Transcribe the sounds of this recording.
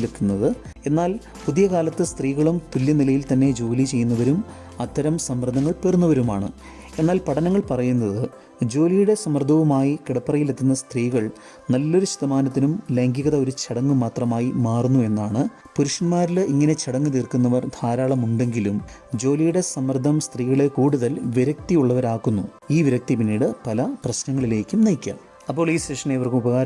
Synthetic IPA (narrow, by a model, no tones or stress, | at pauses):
let̪ːunːɐðɨe̞nːaːl | puðijɐkaːlɐt̪ːɨst̪riːɣɐɭumt̪ulːjɐnilɐjilt̪ɐnːe̞d͡ʑo̞ːlit͡ɕe̞junːɐʋɐɾum | ɐt̪ʰːɐɾɐmsɐmrɐd̪ʱɐŋːɐɭperunːɐʋɐɾumaːɳɨ̰ | e̞nːaːlpɐʈɐnɐŋːɐɭpɐrɐjunːɐðɨ | d͡ʑo̞ːlijuɽe̞sɐmrd̪ʱɐʋumaːjikiɽɐpːɐrɐjilet̪ːunːɐst̪riːɣɐɭ | nɐlːo̞ɾuɕɐ̥ðɐmaːnɐt̪ːinumleŋɡiɣɐðɐo̞ɾut͡ɕɐɽɐŋːɨmaːt̪rɐmaːjimaːrunːue̞nːaːɳɨ | puɾuʂɐnmaːɾiliŋːɐne̞t͡ɕɐɽɐŋːuniːrkunːɐʋɐrd̪ʱaːɾaːɭɐmuɳɖe̞ŋɡilum | d͡ʑo̞ːlijuɽe̞sɐmrd̪ʱːɐmst̪riːɣɐɭe̞kuːɽuðɐlʋiɾɐk̚t̪ijuɭːɐʋɐɾaːkːunːu | iːʋiɾɐk̚t̪ipinːiːɽɨpɐlɐprɐɕnɐŋːɐɭile̞ːkʲːumnijkʲːɐ̰ | ɐpːoːɭiːste̞ːʂɐneːʋɐrkɨmubɐɣaːɾ